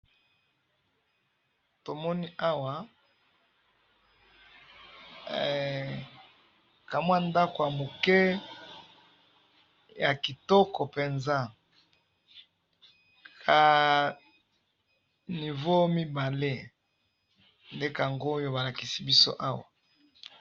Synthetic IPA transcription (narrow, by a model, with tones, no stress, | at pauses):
to˨mɔ˦ni˦ʔa˦wa˨ | ka˨mwa˦nda˦ko˨ja˨mo˨kɛ˦ | ja˨ki˨tɔ˦kɔ˨pe˨nza˦ | kʰa˨ | ni˨vo˦mi˦ba˨le˦ | nde˦ka˨ŋɡoː˦jo˦ba˨la˨ki˨si˦bi˦so̰˦ʔa˦wa˨